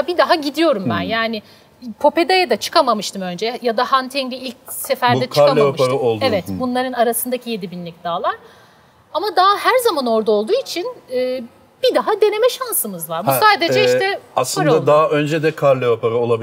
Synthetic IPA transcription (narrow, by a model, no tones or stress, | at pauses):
bid̪aɦaɟid̪ijo̞ɾumbænjaːnɪ | pʰo̞pe̞d̪ajad̪at͡ʃʰɯ̥kʰamamɯʃt̪ʰɯmø̞nd͡ʒɛjad̪ahant̪ʰɛɲlʲiilʲc̚sefæɾd̪ɛkʰakaamɯɾaolˠevɛt̪bunlˠaɾɯnaɾasɯnd̪acʰije̞d̪ibinlʲic̚d̪aːlˠaɾ̥ | amad̪ahæɾzamano̞ɾd̪ao̞lˠd̪uːit͡ʃʰinɯː | b̥id̪aɦad̪e̞ne̞mɛʃansɯmɯzvaɾbusaːd̪e̞d͡ʒɛiʃʰɛaslˠɯanad̪aɦaʔønd͡ʒɛd̪ɛkʰaɾlʲːɛopʰaɾɯolˠabi